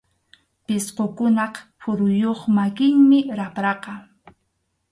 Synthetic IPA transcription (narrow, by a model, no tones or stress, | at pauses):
pɪsqokʊnɑqpʊɾʊjoχmakɪŋmɪɾapɾɑqɑ